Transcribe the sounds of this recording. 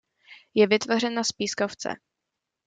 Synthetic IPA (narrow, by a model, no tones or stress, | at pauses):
jɛvɪt̪vor̝ɛnaspiːskoft͡sɛ̰